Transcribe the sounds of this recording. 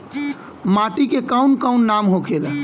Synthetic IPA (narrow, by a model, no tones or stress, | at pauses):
maʈikekaunkaʊnːamɦokʰel